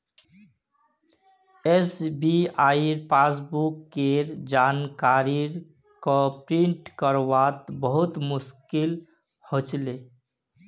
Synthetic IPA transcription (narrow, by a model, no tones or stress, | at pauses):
esbiajɾpas̬bukːeɾd͡ʒankaɾiɾ | kɔpɾiɳʈkəɾʋat̪bəɦut̪mʊskil | hot͡ʃle